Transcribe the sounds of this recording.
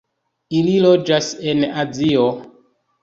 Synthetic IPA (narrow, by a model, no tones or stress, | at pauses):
ililod͡ʒase̞nazio